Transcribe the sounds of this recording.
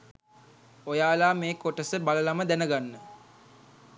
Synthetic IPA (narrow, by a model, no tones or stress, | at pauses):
ojaːlaːmeːkoʈəsəbaləlaməd̪ænəɡanːə